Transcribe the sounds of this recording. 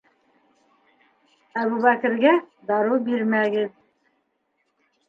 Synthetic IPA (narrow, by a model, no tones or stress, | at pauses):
æβuβækɘ̆ɾɡæd̪ɑɾubiɾmæɡɘð